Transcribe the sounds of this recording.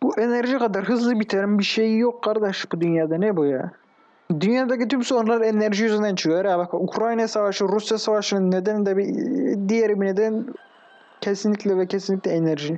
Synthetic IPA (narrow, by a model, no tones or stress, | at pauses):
b̥uʔeneɾʒikʰad̪aɾɦɯzlˠɯbit̪ʰeɾimbiʃejijokʰːaɾd̪aʃbud̪ynjaːd̪anɛbuja̰ | d̪ynjaːd̪acit̪ʰymsonɾlˠaɾeneɾʒiyznd̪ænt͡ʃʰɯkajaɾjabakʰaukʰɾajnajsavaʃɯɾusjasavaʃɯnɯnːed̪ɛnd̪ɛbid̪ijɛɾibined̪ɛn | cʰesinlʲicʰʲlʲɛvɛcʰesinlʲicʲlʲɛeneɾʒi